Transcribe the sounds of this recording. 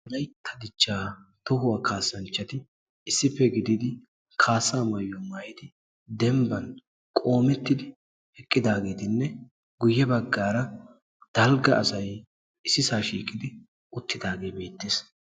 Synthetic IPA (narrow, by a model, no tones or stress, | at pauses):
d̪ɐjt̪ʰːɐd̪ɪt͡ʃːaːt̪ʊɦʊwaːkʰaːsːɐnt͡ʃːɐt̪ɪ | ɪsːɪpːɛɡɪd̪ɪd̪ɪ | kʰaːsːaːmɐjːɔmajɪt̪ɪ | d̪ɛmbɐn | kʼo̞ːmɛt̪ːɪd̪ɪ | hɛkʼːɪd̪aːɡe̞ːt̪ɪnːɛ | ɡʊjːɛbɐɡːaːɾɐ | d̪̥ɐlɡɐːsɐj | ɪsːɪsaːʃḭːkʼɪd̪ɪ | ʊt̪ːɪd̪aːɡe̞ːbe̞ːt̪ːeːs